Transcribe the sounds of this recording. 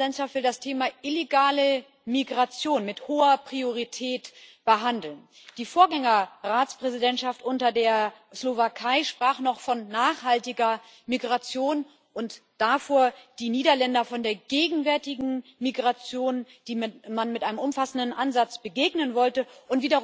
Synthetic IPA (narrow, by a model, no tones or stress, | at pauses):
dɛntʃaftv̥ɪldastʰeːmaʔɪleɡaːlə | miɡʁat͡sjoːnmɪthoːɐpʁ̥ioʁ̞itʰɛːtb̥əɦandl̩n | d̥iːfoːɐɡɛŋɐʁaːt͡spʁ̥ɛzidɛntʃaftʔʊntɐdeːɐ | slovakʰaɪʃpʁ̥aːχnɔχfɔnːaːχhaltɪɡɐ | miɡʁat͡sjoːn | ʔʊntd̥afoːɐd̥iːniːdɐlɛndɐfɔndeːɐɡeːɡŋ̩vɛɐtɪɡŋ̩ | miɡʁat͡sjoːnd̥iːmanmɪtʔaɪnəmʊmfasn̩dn̩ʔanzat͡sb̥əɡeːɡnənvɔltəʔʊntv̥iːdɐ